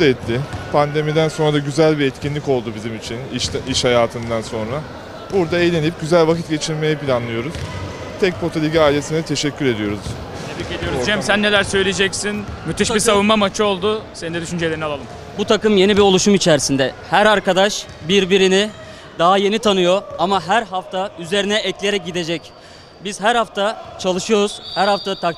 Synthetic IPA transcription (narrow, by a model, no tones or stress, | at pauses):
t̪ɛt̪ʰːɪpʰand̪e̞mid̪ænso̞nɾad̪aɟyzælʲbiɛt̪cʰinlʲico̞lˠd̪ubizimit͡ʃʰinʃiʃhajaːt̪ʰɯnd̪anso̞nɾa | buɾd̪aejlʲe̞nip̚ɟyzælʲvakʰit̪ɟe̞t͡ʃʰiɾme̞jɛpilʲanlˠɯjo̞ɾuz̥ | t̪ʰɛc̚pʰo̞t̪ʰalʲiɟaaːilʲe̞sind̪ɛt̪ʰe̞ʃɛcʰːyɾe̞d̪ijo̞ɾuz̥ʰ | eiked̪ijoɾd͡ʒɛmmsænːe̞lʲæɾsø̞jlʲid͡ʒɛcsinmyt̪ʰeʃbiɾsavunmamat͡ʃʰɯo̞lˠd̪ʊseninɛd̪yʃynd͡ʒelʲeɾinalˠalˠɯm | but̪ʰakɯmje̞nibiɾo̞lˠuʃumit͡ʃʰɛɾsind̪ɛhæɾaɾkad̪aʃbiɾbiɾini | d̪aɦaje̞nit̪ʰanɯjo̞amaɦæɾɦaft̪ʰayze̞ɾinɛɛclʲejeɾɛc̚ɟid̪e̞d͡ʒɛc | biz̥ɦæɾhaft̪ʰat͡ʃʰalˠɯʃɯjo̞ɾuz̥hæɾhaft̪ʰat̪ʰak